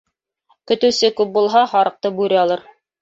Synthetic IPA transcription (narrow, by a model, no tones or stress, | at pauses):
kɵ̆t̪ɘ̆wsɘkʉp̚bulˠɦɑhɑɾɤ̆q̚t̪ɤbʉɾɘ̆ɑlˠɤɾ